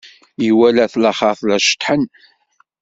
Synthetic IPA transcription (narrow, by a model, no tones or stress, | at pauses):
jiwælæθlɑχɑθlæʃə̥t̪ħən